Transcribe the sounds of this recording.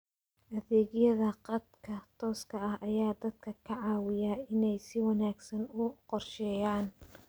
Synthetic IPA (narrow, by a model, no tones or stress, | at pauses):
ʔɐðɛːɣjɐðɐqɑd̪kʰɐt̪ʰɔːskʰɐɐhʔɐjaːd̪ɐd̪̚kʰɐkʰɐʕɑːwɪjaɪnɛjsɪwɑnaːɡsɐnʊqɔrʃɛːjaːn